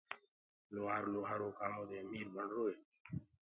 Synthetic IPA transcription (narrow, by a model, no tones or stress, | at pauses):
loːaːɾloːɦaːɾoːkaːmõːd̪eːmiːɾbəɳɖɾoːeː